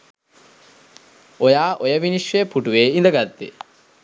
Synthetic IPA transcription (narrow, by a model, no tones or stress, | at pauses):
ojaːʔojɐʋiniʃʋeɐpuʈuʋeːind̪ɐɡat̪ːḛ